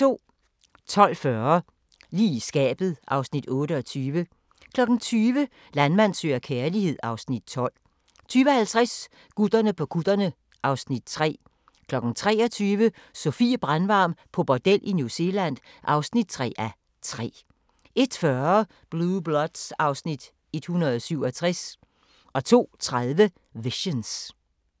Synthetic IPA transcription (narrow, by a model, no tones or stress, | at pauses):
t͡sʰo̝̰ː | t͡sʰɒ̽l̰fɶɐ | liːsɡ̥ɛ̰ːb̥ð̞̩ˠʔɑ̈ʊsnid̥ɔ̽ːɾəɒ̽t͡sʰyːʋə | kʰlɒ̽ɡ̥n̩t͡sʰyːʋə | lænmæn̰sø̰ːɐkʰeɐlihe̝ð̞̰ˠɑ̈ʊsnid̥̚t͡sʰɒ̽l̰ | t͡sʰyːʋəhælt͡sʰʁas | ɡ̥ud̥ɐnəpʰɒ̽ɡ̥ʰud̥ɐnə | ʔɑ̈ʊsnid̥t͡sʰʁɛ̰ː | kʰlɒ̽ɡ̥n̩t͡sʰʁɛ̰ːɒt͡sʰyːʋə | sofḭːb̥ʁanʋɑ̈ːmpʰɒ̽b̥ɒd̥el̰ʔinjuse̝læn̰ | ʔɑ̈ʊsnid̥̚t͡sʰʁɛ̰ːʔæ | t͡sʰʁɛ̰ː | e̝d̥fɶɐ | b̥lub̥lɒd̥sɑ̈ʊsnid̥ | e̝d̥hunɐðˠɒsyʊɒt͡sʰʁas | ʔɒ̽t͡sʰo̝̰ːt͡sʰʁaðˠʋə | ʋiɕəns